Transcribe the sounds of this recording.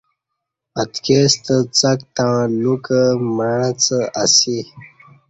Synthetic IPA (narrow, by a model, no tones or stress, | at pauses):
ət̪kest̪ət͡sək̚t̪ãlukəməɻət͡səasi